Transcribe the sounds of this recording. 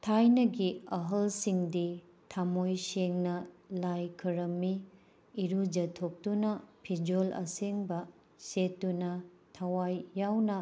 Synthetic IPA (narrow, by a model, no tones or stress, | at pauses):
tʰajnɐɡiɐɦɐlsiŋdi | tʰamojseŋnɐlajkʰɐɾɐmːiː | ɾud͡ʒɐtʰok̚tunɐpʰid͡ʒolɐ̰seŋbɐ | setːunɐ | tʰɐwajːawnɐ